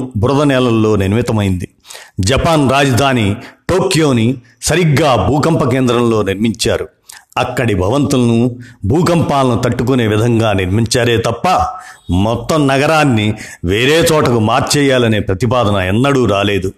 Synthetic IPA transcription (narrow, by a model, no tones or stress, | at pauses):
bɾɐd̪ɐnɛːlɐlːo̞ːniɾmit̪ɐmɐjind̪i | d͡ʒɐpaːnɾaːd͡ʒɐd̪ʱaːniʈoːkjo̞ːni | sɐɾiɡːaːbʱuːkɐmpɐkeːnd̪ɾɐmlo̞ːniɾmiɲt͡ʃaːɾu | ɐkːɐɽibʱɐʋɐnt̪ulɐnubʱuːkɐmpaːlɐnut̪ɐʈːuk̬une̞ːʋid̪ʱɐŋɡaːniɾmiɲt͡ʃaːɾe̞ːt̪ɐpːɐmɔt̪ːɐmnɐɡɐɾaːnːiʋe̞ːɾeːt͡ʃɔːʈɐkumaːɾt͡ʃɛːjaːlɐne̞ːpɾɐt̪ipaːd̪ʱɐnɐɛnːɐɽuɾaːle̞ːd̪u